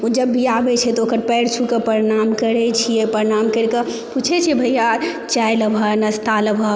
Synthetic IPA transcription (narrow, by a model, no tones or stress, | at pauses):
ud͡ʒəbʱːiabɛt͡ʃʰɛt̪ɔoːkəɾpɛɽt͡ʃʰukepəɾinamkəɾɛt͡ʃʰijɛpəɾinamkəɾke | put͡ʃʰɛt͡ʃʰiɛbʱəjat͡ʃajləbʱənɐst̪aləbʱə